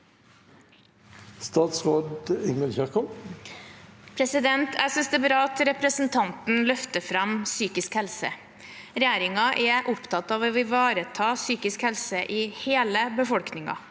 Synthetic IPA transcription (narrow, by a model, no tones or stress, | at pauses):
st̪ɑːt̪sʁoːd̪ɪŋməlçæʁkɔ | pʰɾɛsɪd̪ɛnt̪ʰæsʏnsd̪ɛːbɾɑːɑt̪ɾɛpɾəsnt̪ʰɑnt̪n̩lœft̪əfɾɑmsyːkɪskhɛlsə̰ | ɾɛjæːɾɪŋɑʔɛʔʊpt̪ʰɑt̪ɑːʋoʋɪʋɑːɾət̪ʰɑːsyːkɪskhɛlsəʔɪheːləbəfɔlknɪŋɑ̰